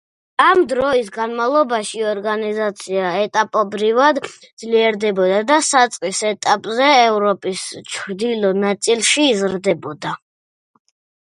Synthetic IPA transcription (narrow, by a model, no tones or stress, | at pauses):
amd̪ɾɔisɡanmalˠɔbaʃiɔɾɡanizat̪sʰiaɛt̪ʼapʼɔbɾivad̪d̪zliɛɾd̪ɛbɔd̪ad̪asat̪sʼqʼisɛt̪ʼapʼzɛɛvɾɔpʼist͡ʃʰɾd̪ilɔnat̪sʼilˠʃiːzɾd̪ɛbɔd̪a